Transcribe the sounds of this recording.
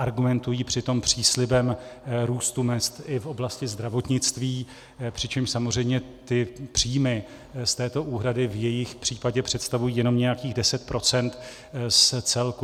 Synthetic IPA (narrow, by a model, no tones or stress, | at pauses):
ʔaɾɡumɛnt̪ujiːpr̝̥ɪt̪o̞mpr̝̥iːslɪbɛmɾuːst̪umɛst̪ɪfʔo̞blascɪzd̪ɾavo̞t̪ɲɪt͡st̪viː | pr̥ɪt͡ʃɛmʃsamor̝ɛjmɲɛ | t̪ɪpr̝̥iːjmɪ | st̪ɛːt̪o̞ʔuːɦɾadɪvjɛjɪxpr̝̥iːpaɟɛpr̥ɛt̪st̪avujiːjɛno̞mɲɛjakiːɣdɛsɛt̪̚pɾo̞t͡sɛnt̪ | st͡sɛlku